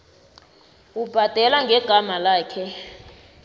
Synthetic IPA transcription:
ub̥ʱad̥ʱɛlaŋɡʱɛɡ̥ʱamalaːkʰɛ

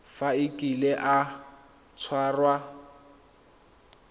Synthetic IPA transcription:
faɪkʼilɛʔa | t͡sʰwaːrwa

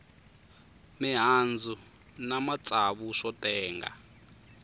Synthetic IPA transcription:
miɦand͡zʱu | namat͡sʼaβuʂɔtʼɛːŋɡa̰

